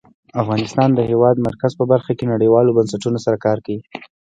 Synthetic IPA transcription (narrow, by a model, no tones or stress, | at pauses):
afɣɑnɪst̪ɑnd̪əhewɑd̪maɾkazpəbaɾxakenaɽəjwɑlobansaʈunosaɾakɑɾkawi